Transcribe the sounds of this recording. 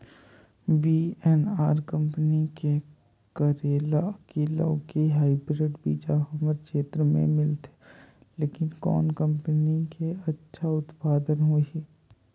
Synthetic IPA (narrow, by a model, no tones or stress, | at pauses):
biːɛnaːɾkə̃mpənike | kəɾeːlakeːlã̰keɦaːibɾeːʈbiːd͡ʒaɦɐməɾkeːt̪ɾəmḛ̃mɪlt̪e̥ | leːkɪnkɔ̰ːnkə̃mpənikeɐtːʃʰaʊt̪paːd̪ənɦoːiː